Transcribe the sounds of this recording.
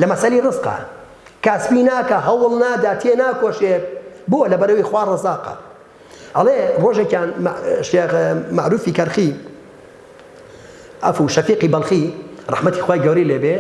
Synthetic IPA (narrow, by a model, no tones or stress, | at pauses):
lɐmɐsɐliːrɨzqɐ̰ | kaːspinaːkɐɦɐwlˠnaːd̪aːt̪ʰenaːkoːʃebuwlɐbɐɾɐwijxwaːrˤɑzaːqɐ̰ | hɐleroːʒekjaːnmʃemaʕɾuːfiːkɐɾxi | ʔɐ̰fuːʃɐfiːqiːbɐlˠxirˤɑ̰ħmɐt̪iːxwaːjɡɐwɾiːleːbe